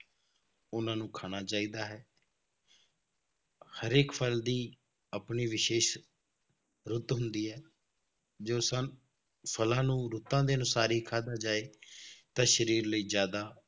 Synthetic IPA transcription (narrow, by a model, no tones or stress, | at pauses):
ʊnãːnũːkʰaːnaːt͡ʃaːiːd̪aːɦɛː | həɾeːkpʰəld̪iː | əpniːʋɪʃeːʃ | ɾʊt̪ɦʊnd̪iːɦɛː | d͡ʒoːsə̃n | pʰəlãːnũːɾʊt̪ãːd̪eːənʊsaːɾiːkʰaːd̪aːd͡ʒaːeːt̪ãːʃəɾiːɾləiːzjaːd̪aː